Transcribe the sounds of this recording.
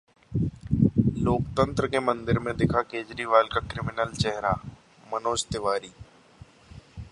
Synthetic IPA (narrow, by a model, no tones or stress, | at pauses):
loːkt̪ə̃nt̪ɾəkemə̃nd̪ɪɾmẽd̪ɪkʰakeːd͡ʒɾiʋaːlkakɾɪmɪnəlt͡ʃɛɦɾa | mənoːd͡ʒt̪ɪʋaːɾiː